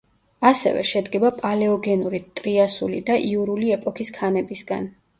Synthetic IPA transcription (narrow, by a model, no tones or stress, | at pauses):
asɛ̰vɛ̰ʃɛd̪ɡɛbapʼalɛɔɡɛnuɾit̪ʼɾiasulḭd̪aʔiuɾuliɛpʼɔkʰiskʰanɛbisɡa̰n